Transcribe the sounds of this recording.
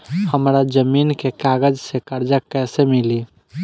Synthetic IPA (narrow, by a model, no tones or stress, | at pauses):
həmɾad͡ʒəminkekaɡəd͡ʒsekəɾd͡ʒakɛsemili